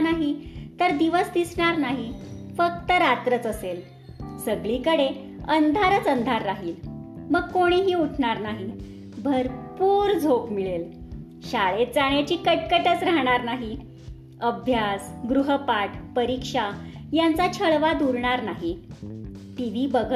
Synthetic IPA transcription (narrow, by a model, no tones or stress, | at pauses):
naɦit̪əɾd̪iʋəsd̪isɳ̃aɾnaɦifək̚t̪əɾat̪ɾət͡səsel | səɡɭiːkəɽe | ənd̪ʱaɾət͡sənd̪ʱaɾːaɦiːlməɡ̚koɽ̃iɦiːuʈʰɳ̃aɾnaɦi | bʱəɾpuːɾd͡zʱopmiɭel | ɕaɭet̪̚d͡zaɳ̃jat͡ɕiːkəʈ̚kəʈət͡sɾaɦɽ̃aɾnaɦi | əbʱjasɡɾuɦəpaʈʰpəɾikʂajant͡sat͡ɕʰəɭʋad̪uɾɳ̃aɾnaɦi | ʈ̪iʋibəɡʱə